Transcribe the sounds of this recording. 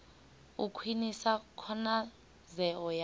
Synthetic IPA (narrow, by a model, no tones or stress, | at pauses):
ukʰwinisakʰɔna | zɛɔj